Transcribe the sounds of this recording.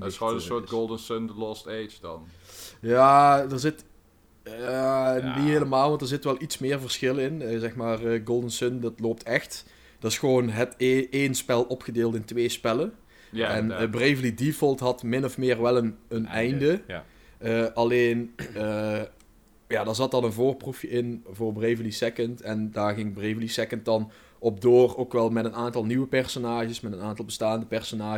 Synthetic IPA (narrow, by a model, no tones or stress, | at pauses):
soːəsoːt̚ɡolˠdənsøndəlɔsteːt͡ʃd̥ɑnjaːdəɹzɪtː | niɦeːləmaːlˠʋɑntdəɹzɪtʋɛlˠitsmɪːrvərsxɪlɪnzɛxmaːrəɡolˠdənsøndɑtloːp̚tʰɛxt | d̥ɑɪsxəʋoːnɦəteːnspɛlˠɔpxədeːlˠtɪntʋeːspɛlə | ɛnbrejvəlidifɔlˠtɦɑtmɪnɔfmɪːrʋɛlˠənənɛjndə | əʔɑleːnə | jaːdaːɹzɑtɑnənvoːrprufjəɪnvʊːrbrejvəlisɛkəntɛndaːrɣɪŋbrevəlisɛkənt̚dɑn | ɔb̚doːroːkʋɛlˠmɛtənaːntɑlˠniʋəpɛrsonaːʒəsmɛtənaːntɑlˠbəstaːndəpɛrsonaː